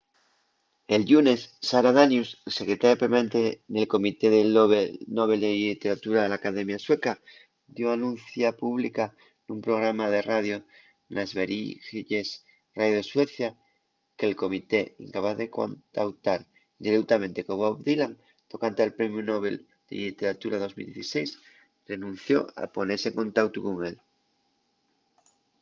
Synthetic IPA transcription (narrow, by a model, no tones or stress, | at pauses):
e̞lʎunesːaɾaðanjussekɾe̞t̪ajopemaent̪enelko̞mit̪e̞ðeβenoβ̞e̞ld̪elit̪e̞ɾat̪uɾaðelaːkaðe̞mjasweka | d̪joanũn̟θjapuβlika | numpɾo̞ɣ̞ɾamað̞e̞raðjo | nʔazβeɾixiʎes | rajoðeswe̞θja | kelko̞mit̪e̞ḭŋkapaθðeko̰nt̪awt̪aɾ | d̪iɾekt̪amẽnt̪e̞koβoβd̪ilaŋ | t̪o̞kant̪ealpɾe̞mjunoβ̞ḛl | d̪̥ḛlit̪eɾat̪uɾaðo̞zmild̪jeθisejs | re̞nũn̟θjo̞̰a̰po̞neseŋkõ̞nt̪ak̚t̪ukoŋel